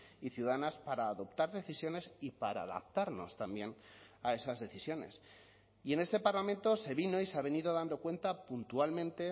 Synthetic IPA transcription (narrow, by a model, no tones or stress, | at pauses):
iθjuðaanaspaɾaːðo̞pt̪aɾðe̞θisjo̞ne̞sipaɾa̰ːða̰p̚t̪aɾno̞̰st̪ambje̞nae̞sazðe̞θisjo̞ne̞̰s | ie̞ne̞st̪e̞paɾlament̪o̞se̞βino̞iseaβe̞niðo̞ðand̪o̞kwe̞nt̪apunt̪ualmẽnt̪e̞